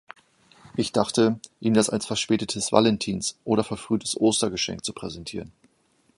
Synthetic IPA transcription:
ʔɪçd̥aχtəʔiːmdasa̰lsfɛɐʃpɛːtətʰəsva̰lɛntʰiːnsʔoːɾɐfɛɐfʁ̥yːtʰə̥sʔoːstɐɡəʃɛ̰ŋk̚t͡supʁ̥ɛzɛntʰiːʁən

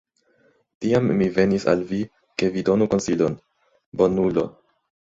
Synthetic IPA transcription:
tiamːive̞nisa̰lvi | ke̞vido̞nuko̞nsilo̞n | bo̞nulo̞

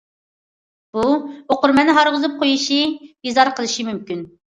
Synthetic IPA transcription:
b̥uoqʊɾmɛnɪɦɑɾʁʊzɨp̚qʰojuʃibizɑɾqəlˠɨʃimymkʲyn

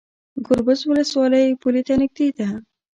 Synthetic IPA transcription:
ɡʊɾbʊzwʊləswɑːləjpulit̪anɪk̚t̪it̪a

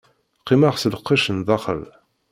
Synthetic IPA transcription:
qːimaʁsələqːiʃənðˤɑχə̰l

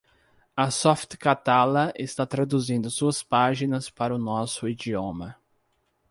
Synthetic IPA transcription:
ɐsɔft̪kat̪alɐʔest̪at̪ɾad̪uzĩnd̪ʊsuɐspaʒinɐspaɾɐʊnɔsʊid͡ʒiõmɐ

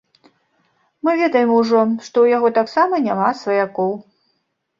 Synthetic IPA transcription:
mɨvʲɛd̪ɐjɛmuʐɔʂt̪ɔwjaɣɔt̪aksamɐnʲamasvɐjakɔw

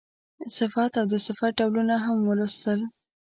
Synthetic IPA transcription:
sɪfat̪awd̪əsɪfaɖawlunaɦamwəlust̪əl

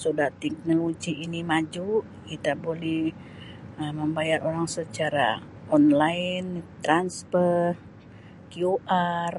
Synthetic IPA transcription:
sudaht̪ɛk̚nolod͡ʒiːnimad͡ʒu | kit̪abolɛh | əməmbajaɾoɾaŋsət͡ʃaɾa̰ | ɔnlaɪnt̪ɾanspər | kiuʔar

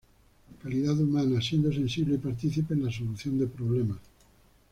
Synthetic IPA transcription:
kaliðaðumanasjend̪osensiβleipaɾt̪iθipeːnlaso̞luθjond̪epɾoβlema

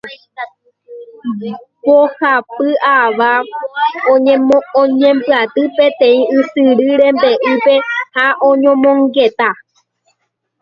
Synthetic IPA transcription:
bohapɨʔaʋa | õoɲẽ̞mbɨat̪ɨpẽ̞t̪ẽ̞ĩʔɨsɨɾɨɾe̞mbe̞ʔɨpe̞haʔõɲõmõŋɡe̞t̪a

